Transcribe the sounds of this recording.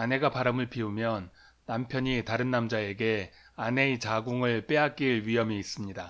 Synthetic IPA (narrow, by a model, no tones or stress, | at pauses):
ane̞ɡapaɾamɯɭpiumjʌnː | ampʰjʌɲitaɾɯnːamd͡ʑae̞ɡe̞ | ane̞it͡ɕaɡuŋɯɭp͈e̞ɦak͈̚iɭɥijʌmiis͈ɯmɲida